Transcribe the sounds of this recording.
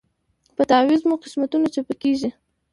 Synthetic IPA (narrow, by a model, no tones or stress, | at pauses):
pət̪awizmuqɪ̥smat̪unat͡ʃapəkeʒi